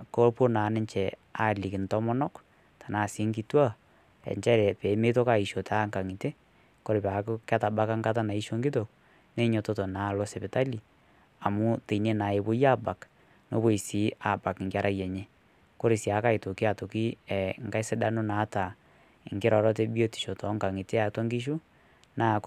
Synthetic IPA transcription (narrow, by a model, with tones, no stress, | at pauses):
ko˦po˦naː˨˦nɛ˦ɲt͡ʃɛ˨a˦˨li˨kɪ˨ntɔ˦mɔ˦nɔ˦k | tʰḁ˨na˨sɪ˦ŋki˦twa˦ | ɛ̰˨ɲt͡ʃɛ˦ɾɛ˨pe˨˦me˦to˦ka˨i˨ʃo˨ta˦ŋka˨ŋi˨te˦ | ko˦ɾɪ˨pa˨kkɛ˦ta˨ba˦ka˦ŋɡa˦t̬a˦na˨i˦ʃo˦ŋɡi˦to˨k̚ | ne˦ɲo˨to˦to˨na˨lo˦sɛ˨pɪ˨ta˦li˨ | a˨mu˦te˨ne˦na˨e˨bo˦ja˦ba˨k | no˦βo˦i˨si˨˦a˨ba˨kŋɡa˦ɾʔa˦jɛ˨ɲe˦ | ko˦ɾi˨si˨a˨ka˦i˨to˨ki˦a˨to˨ki˦ɛ˨ŋɡa˦i˦se˦da˦no˦na˨˦ta˨ | ḭ˨ŋɡe˦ɾɔ˨ɾɔ˦t̬e˦bi˦o˦ti̥˨ʃo˨tɔ˨˦ŋka˨ŋi˨te˦a˨twa˦ŋɡi˦ʃ̬u˦ | na˦˨